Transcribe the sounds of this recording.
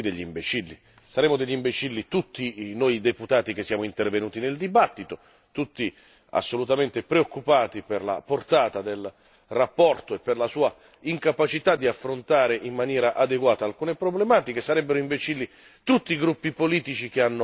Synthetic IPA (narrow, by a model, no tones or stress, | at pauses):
d̪eʎːimbet͡ʃilːḭ | saɾɛːmʊd̪eʎːimbet͡ʃilːit̪ut̪ːinojd̪eput̪aːt̪ik̟esːjaːmoint̪ervenuːt̪ineld̪ibat̪ːit̪o | t̪ut̪ːi | a̰sːolut̪ament̪epɾeokːupaːt̪iperla̰port̪aːt̪ad̪el | rapːɔrt̪oepːerlasuːa | iŋkapat͡ʃit̪ad̪iafːɾont̪aːɾeʔimːanjɛːɾaʔad̪eɡwaːt̪aːlkuːnepɾoblemaːt̪ikesaɾɛbːeɾoimbet͡ʃilːi | t̪ut̪ːiːɡɾupːipoliːt̪it͡ʃik̟eanːo